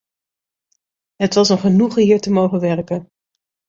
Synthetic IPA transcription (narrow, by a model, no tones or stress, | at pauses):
ɦətʋɑsənχənuχɦiːɹtəmowχəʋɛɹkən